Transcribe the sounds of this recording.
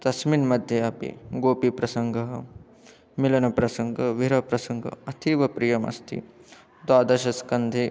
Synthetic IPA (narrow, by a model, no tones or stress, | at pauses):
t̪ɐsminmɐd̪ʱjɐɐpḭɡoːpipɾɐsɐŋɡʱɐɦɐ | milɐnɐpɾɐsɐŋɡʱɐʋiɾɐpɾɐsɐŋɡʱɐ̰ɐt̪ʰiʋɐpɾijɐmɐ̰st̪ʰḭ | d̪waːd̪ɐʃɐskɐnd̪ʱi